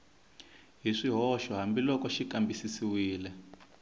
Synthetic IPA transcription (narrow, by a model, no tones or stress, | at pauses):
ɦiʂiɦɔʃɔɦambilɔkɔʃikambisisiwiːlɛ